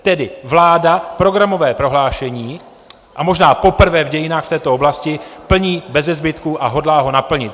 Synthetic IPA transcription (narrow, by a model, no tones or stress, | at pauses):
t̪ɛdɪvlaːdapɾo̞ɡɾamo̞vɛːpɾo̞ɦlaːʃɛɲiː | ʔamo̞ʒnaːpo̞pr̩vɛːvɟɛjɪnaːxft̪ɛːt̪o̞oblascɪpl̩ɲiːbɛzɛzbɪt̪kuʔaɦo̞dlaːɦo̞napl̩ɲɪt̪̚